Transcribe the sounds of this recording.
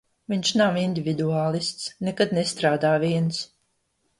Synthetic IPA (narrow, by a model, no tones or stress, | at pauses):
viɲʃnawind̪ivʲid̪uaːlˠist̪snekad̪nɛst̪ɾaːd̪aːviɛns